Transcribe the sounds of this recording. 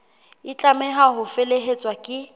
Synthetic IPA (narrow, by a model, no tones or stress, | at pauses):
ɪt͡ɬʼamɛɦaɦʊfeleɦet͡sʼwakʼɪ